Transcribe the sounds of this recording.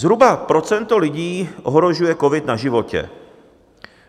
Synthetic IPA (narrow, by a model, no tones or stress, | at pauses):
zɦɾubapɾo̞t͡sɛnt̪o̞lɪɟiːʔoɦɾo̞ʒujɛko̞vɪt̪naʒɪvo̞cɛ̰